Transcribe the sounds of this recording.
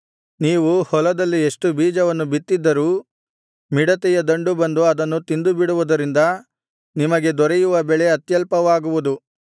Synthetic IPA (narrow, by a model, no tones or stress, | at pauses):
niːʋuhɔlɐd̪ɐlːie̞ʂʈubiːd͡ʒɐʋɐnːubit̪ːid̪ːɐɾuː | miɽɐt̪ɛjɐd̪ɐɳɖubɐnd̪uɐd̪ɐnːut̪ind̪ubiɽuʋud̪ɐɾind̪ɐ | nimɐɡe̞d̪ɔɾejuʋɐbɛɭeɐt̪jɐlpɐʋaːɡuʋud̪u